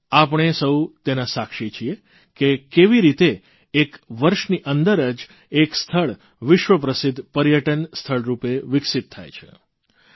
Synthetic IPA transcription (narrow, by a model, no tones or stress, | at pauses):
apəɳ̃esəwt̪enasakʃit͡ʃʰie | kekeʋiɾit̪eː | kʋəɾʃniʔənd̪əɾəd͡ʒ | ekst̪ʰəɭ | ʋɪʃʋəp̬ɾəsɪd̪ʱːpəɾjəʈənst̪ʰəɭɾupeʋɪksɪt̪ʰːa̰jt͡ʃʰḛ